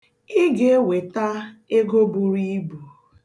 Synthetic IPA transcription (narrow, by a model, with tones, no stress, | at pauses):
i˦ɡe˦we˨ta˦e˦ɡo˦bu˨ɾi˦bu˨